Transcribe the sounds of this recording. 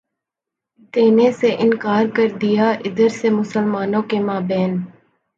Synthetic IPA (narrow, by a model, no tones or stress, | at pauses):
t̪eːneseʔɪnkaːɾkəɾd̪ɪjaːʔɪd̪əɾsemʊsəlmaːnõːkemaːbɛːn